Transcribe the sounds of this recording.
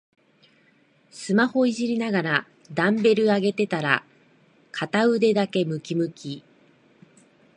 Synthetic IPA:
sɨmaho̞iʑiɾʲinaɡaɾa | d̪ãmbe̞ɾɯ̟aɡe̞t̪e̞t̪aɾa | kʰat̪aɯ̟d̪e̞d̪ake̞mɯ̟kʲimɯ̟kʲi

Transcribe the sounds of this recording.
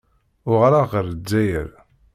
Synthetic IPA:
ʊʁɾaʁəɾəd͡zːæjə̰ɾ

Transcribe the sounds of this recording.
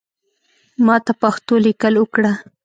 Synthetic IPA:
mɑt̪apaxt̪olɪkəlwəkɽa

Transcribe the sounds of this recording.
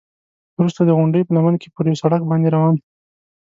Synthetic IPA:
wɾust̪ad̪əɣʊɳɖəjpənamənke̥pəɾjawsaɽakbɑnd̪eɾawɑn

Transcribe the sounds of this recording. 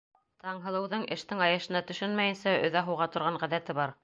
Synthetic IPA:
t̪ɑɴɦɤ̆lˠɤ̆wðɤɴʔɘ̆ʃt̪ɘŋɑjɤ̆ʃɤ̆nɑt̪ɵ̆ʃɘnmæjɘ̆nsæɵ̰̆ðæɦɤ̆wʁɑt̪ŏɾʁɑɴʁæðæt̪ɘβɑɾ

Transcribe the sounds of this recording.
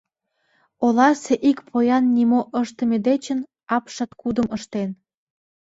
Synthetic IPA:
olɑseʔikpʰojɑnːimoʔəʃt̪ə̆med̪et͡ɕən | ɑpʃɑt̪kud̪əməʃt̪en

